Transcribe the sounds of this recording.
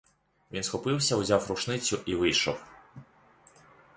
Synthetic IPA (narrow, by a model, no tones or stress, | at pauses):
ʋʲinsxɔpɪwsʲɐʊzʲawɾʊʃnɪt͡sʲʊʔiʋɪjʃɔw